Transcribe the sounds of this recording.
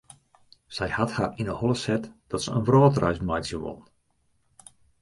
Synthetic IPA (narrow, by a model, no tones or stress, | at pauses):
sɛjhathaːrinəhɔlˠəsɛtd̥ɔtsəənʋrɔːtrʔœ̰ɥsmajtsjəʋɔ̰nn